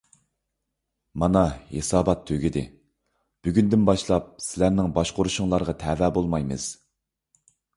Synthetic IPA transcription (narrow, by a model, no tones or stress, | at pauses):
mɑnɑhḛsɑːbɑt̪ʰːøɡʲid̪ɪ̰ | b̥yɡʲynd̪ɪnbɑʃlˠɑp̚sɪlæɾnɪŋbɑʃqʊɾuʃʊŋlˠɑɾʁɑt̪ʰɛvɛːbolˠmɑjmɨ̰z̥